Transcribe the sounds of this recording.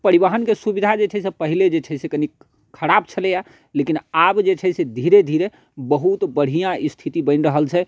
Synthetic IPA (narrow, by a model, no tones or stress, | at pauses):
pəɾiβaɦənkesubid̪ʱad͡ʒet͡ʃʰɛɦsepəɦiled͡ʒet͡ʃʰɛsekəni | kʰəɾab̚t͡ʃʰəleja | lekinabd͡ʒet͡ʃʰɛsed̪ʱiɾed̪ʱiɾe | bəɦut̪bəɽ̤ijãʔist̪ʰit̪ibə̃ɪnɾəɦəlt͡ʃʰɛ